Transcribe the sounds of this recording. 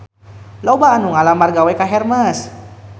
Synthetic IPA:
lɔbaːnuŋalamarɡawɛkaɦɛrmas

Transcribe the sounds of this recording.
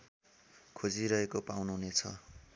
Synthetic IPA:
kʰod͡ziɾʌɦekopawnuɦnet͡sʰʌ̰

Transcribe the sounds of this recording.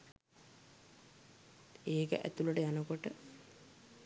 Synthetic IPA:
eːkə̰ʔæ̰t̪uləʈəjanəkoʈə

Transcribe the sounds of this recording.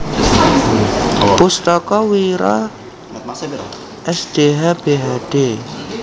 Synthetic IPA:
pust̪ɔkɔwiɾɔ̰ | ʔɛsd̪̥eɦab̥eɦad̥e

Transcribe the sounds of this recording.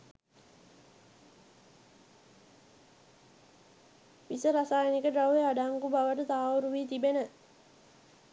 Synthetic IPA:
ʋisəɾasaːjənikəɖrawʋeaɖaːŋɡubaʋəʈət̪aːauɾuʋiːt̪ibenə

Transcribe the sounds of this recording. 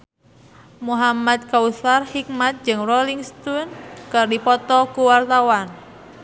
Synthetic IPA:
muɦamad̪̚kausarhik̚mat̪̚d͡ʒɨŋrɔliŋst̪unkɨrdipɔt̪ɔkuwart̪awan

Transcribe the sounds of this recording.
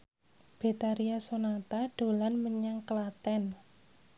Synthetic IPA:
b̥e̤t̪aɾiasonat̪aɖ̥o̤lanməɲaŋkəlat̪ɛn

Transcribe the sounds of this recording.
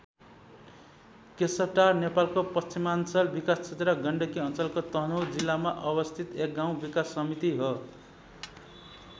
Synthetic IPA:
kesʌp̚ʈarnepalkopʌst͡simant͡sʌlbikast͡sʰet̪rʌɡʌɳɖʌkiʌnt͡sʌlkot̪ʌɦnowd͡zilːamaʔʌbʌst̪ʰit̪ek̚ɡaw̃bikasːʌmit̪iɦo

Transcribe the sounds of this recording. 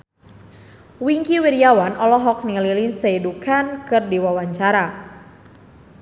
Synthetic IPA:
wiŋkiwiɾijawanʔɔlɔɦɔk̚niŋlilinseidukankɨrdiwawaɲt͡ʃaɾa

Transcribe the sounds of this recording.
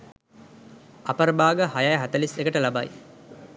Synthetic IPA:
apəɾbaːɡəhajajəɦæt̪əlisekəʈəlaba̰j

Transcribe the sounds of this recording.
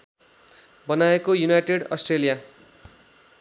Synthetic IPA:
bʌnaekojunajʈeɽʌ̰sʈrelija

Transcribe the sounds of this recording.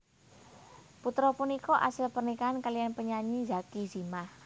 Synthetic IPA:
put̪ɾɔpunikɔʔa̰səlpərnikaankalijanpəɲaɲid͡ʒakiz̥imah

